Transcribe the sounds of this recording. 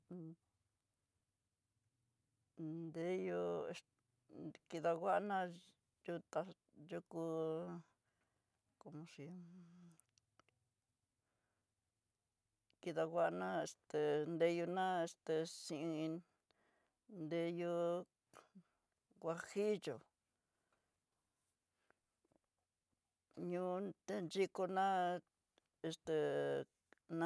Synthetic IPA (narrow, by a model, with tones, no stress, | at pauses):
nd̪e˦jo˧e˧ | ki˧ða˧ɣʷa˦ʔnã˦ | ju˧t̪a˧ | ju˦ku˧ | ko˧mõ˧ʂi˧ | ki˧ða˧ɣʷa˦ʔnã˦e˧st̪e˨nd̪e˧ju˧nã˦e˧st̪e˧sĩ˧ĩ˧ | nd̪e˧jo˧ | kʷa˧hi˦jo˨ | ɲũ˦t̪e˦nt͡ʃi˧ko˧nã˦ | e˧st̪e˧ | nã˦